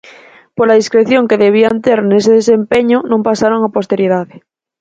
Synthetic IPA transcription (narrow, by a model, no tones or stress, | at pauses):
poɾlaðiskɾeθjoŋkeðeβ̞iant̪eɾneseðesempeɲonõmpasaɾoŋapost̪e̞ɾið̞aðe